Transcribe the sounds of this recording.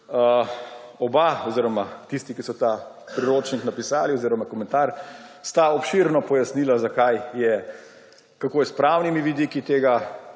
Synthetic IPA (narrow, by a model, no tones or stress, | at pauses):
ə | ɔbaɔziːɾɔmat̪ist̪ikisɔt̪a | pɾiɾoːt͡ʃniknapisaːliɔziːɾɔmakɔmɛ̃nt̪aɾst̪aɔpʃiɾnɔpɔjasnilazakajjɛ | kakoːjspɾawnimiʋid̪ikit̪eːɡa